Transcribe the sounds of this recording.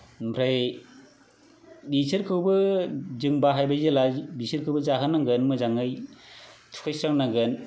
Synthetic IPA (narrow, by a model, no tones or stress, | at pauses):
mpʰɾaj | bisɯɾkʰɯwbɯzɯŋbaɦajbajzɯlajbisɯɾkʰɯwbɯzaɦɯnːaɡɯnmɯzaŋɯj | tʰu̥kʰajsɾaŋnaɡɯn